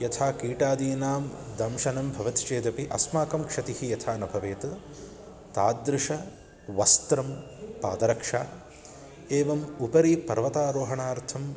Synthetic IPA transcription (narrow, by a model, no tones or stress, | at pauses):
jɐt̪ʰaːkiːʈaːd̪iːnaːmd̪ɐmʃɐnɐmbʱɐʋɐt̪t͡ʃeːd̪ɐpiʔɐ̰smaːkɐmkʂɐt̪ihijɐt̪ʰaːnɐbʱɐʋeːt̪ɐ | t̪aːd̪ɾɪʂɐ | ʋɐst̪ɾɐm | paːd̪ɐɾɐkʂaː | eːʋɐmupɐɾiːpɐɾʋɐt̪aːɾoːɦɐɳaːɾt̪ʰɐm